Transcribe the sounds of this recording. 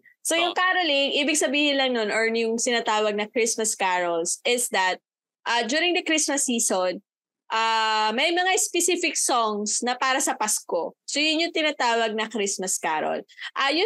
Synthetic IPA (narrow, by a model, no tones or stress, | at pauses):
sojʊŋkaɾolɪŋʔiːbɪɡ̚sɐbiːhɪnlɐŋnonʔɔɹnjʊŋt̪ɪnat̪aːwɐɡ̚nɐkɾismɐskaɹolsɪsd̪ɐt̪̚ | ʔɐd͡ʒuːɾɪŋd̪ɐkɾismɐsːiːson | ʔamɐjmɐŋaspɛsifɪk̚sɔŋsnɐpaːɾɐsɐpaskosojʊnjʊŋt̪ɪnaːt̪aːwɐɡ̚nɐkɾɪsmɐska̰ːɾo̰lʔɐjʊ